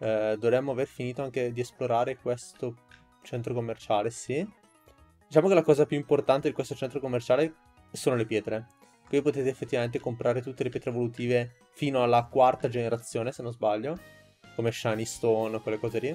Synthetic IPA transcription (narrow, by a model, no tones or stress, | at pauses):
ɛd̪ovɾɛmːoaverfiniːt̪oaŋk̟ed̪iesploɾaːɾekwest̪o | t͡ʃɛnt̪ɾokomːert͡ʃaːlesi | d̪̥it͡ʃaːmokelakɔːzapjuimport̪ant̪ed̪ikwest̪ot͡ʃɛnt̪ɾokomːert͡ʃaːle | soːnolepjɛːt̪ɾe | kwipot̪eːt̪eːfːet̪ːivament̪̬ekompɾʔaːɾet̪ut̪ːelepjɛːt̪ɾevolut̪iːve | fiːnoalːakwart̪ad͡ʒeneɾat̪sːjoːnesenːozbaʎːo | komeʃːanist̪onokwelːekɔːzeli